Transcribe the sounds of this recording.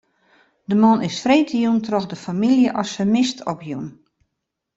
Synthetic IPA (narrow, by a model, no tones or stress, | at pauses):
dəmɔnɪsfreːtəjuntrɔxdəfamilˠjəʔɔsəmɪstʰɔpjṵn